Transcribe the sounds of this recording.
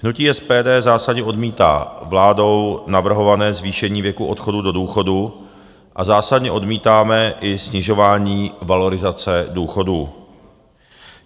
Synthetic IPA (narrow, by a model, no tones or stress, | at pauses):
hnuciːɛspɛːdɛːzaːsadɲɛʔo̞dmiːt̪a̰ːvlaːdo̞wnavr̩ɦo̞vanɛːzviːʃɛɲiːvjɛkuʔo̞t̪xo̞dudo̞duːxo̞du | ʔazaːsadɲɛʔo̞dmiːt̪aːmɛʔɪsɲɪʒo̞vaːɲiːvalo̞ɾɪzat͡sɛduːxo̞du